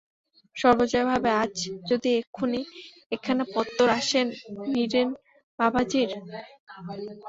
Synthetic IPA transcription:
ʃɔɾbot͡ɕoebʱabeat͡ɕʰd͡ʑod̪iekʰune | ekʰːanapɔt̪ːoɾaʃenːiɾen | babʱad͡ʑiɾ

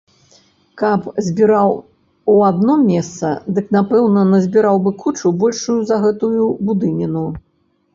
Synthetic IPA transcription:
kɐpzʲbʲiɾaw | uad̪̚nɔmʲɛst̪sɐ̰d̪ɨknapɛwnɐnɐzʲbʲiɾawbɨkut͡ʂubɔlʲʂujuzɐɣɛt̪ujubud̪ɨnʲinu

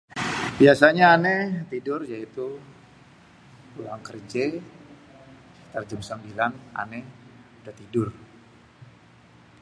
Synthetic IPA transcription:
biasaɲaːnɛt̪idʊrjait̪u | ulaŋkərd͡ʒe | t̪ərd͡ʒəmsəmbilana̰nɛudat̪idʊr

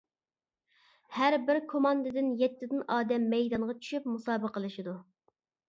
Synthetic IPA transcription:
hæɾbɪɾkʰomɑnd̪ɨd̪ɪnjɛt̪ʰːɪd̪ɪnɑːd̪ɛmːɛjd̪ɑɴʁɑt͡ʃʰy̥ʃypmusɑːbəqəlˠɨʃid̪u

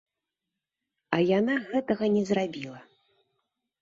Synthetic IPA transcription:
ɐjanaɣɛt̪ɐɣɐnʲɛzrabʲilˠɐ

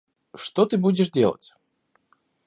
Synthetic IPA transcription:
ʂt̪ot̪ɨbudʲɪʂdʲelˠə̰tʲ

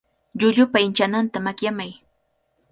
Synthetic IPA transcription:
ʎʊʎʊpaɪnt͡ʃanant̪amakjamaj

